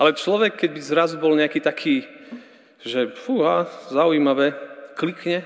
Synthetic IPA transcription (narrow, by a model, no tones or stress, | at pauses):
ʔalɛt͡ʃlɔʋɛkːɛɟbizɾazubɔlɲɛakiːt̪akʰiː | ʒɛfuɦaːzaujiːmaʋɛklikɲɛ